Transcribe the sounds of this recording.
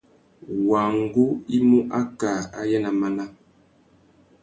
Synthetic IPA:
wa˨ŋ˦ɡu˦i˦mu˦ʔa˦ka˨a˦jɛ˦na˨ma˦na˦

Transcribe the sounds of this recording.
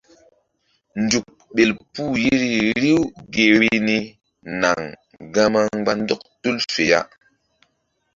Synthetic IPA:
nd͡ʒu˨k̚ɓe˨lpu˦ji˦ɾi˦ɾi˦wɡe˨ɾi˦ni˦ | na˨ŋ | ɡa˦ma˦ŋɡ͡ba˦ndɔ˦k̚tu˦lfe˨ja̰˦

